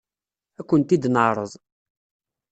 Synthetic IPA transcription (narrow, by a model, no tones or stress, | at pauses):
ækʷːənt̪id̪nəʕɾˤəðˤ